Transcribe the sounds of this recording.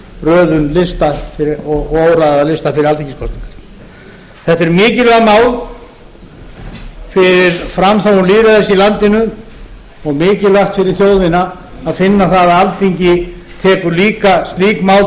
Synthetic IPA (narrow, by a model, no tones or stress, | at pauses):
rœːðʏnlɪst̪afɪɔɣoːwɾaðalɪst̪afɪɾɪɾalθiŋciskʰɔst̪niŋkḁ | θɛht̪ːɛɾmɪːcɪlœɣamaːwl | fɪɾɪɾ̥fɾamθawuliːðɾaθɛsːɪilant̪ɪnʏ | ɔɣmɪːcɪlaxt̪fɪɾɪɾ̥θjoːwðɪnaː | ðfɪnːaθaðaðalθiɲcɪ | t̪ʰɛːkʏɾliːkast̪liːkmaːwl